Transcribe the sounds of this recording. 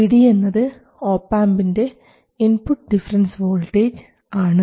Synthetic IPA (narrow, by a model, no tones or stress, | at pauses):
piɽije̞nːɐðɨ | o̞ːpːaːmbinde̞ | inpuʈːɨɖifɐɾɐnsʋo̞ːlʈːeːd͡ʑɨ | aːɳɨ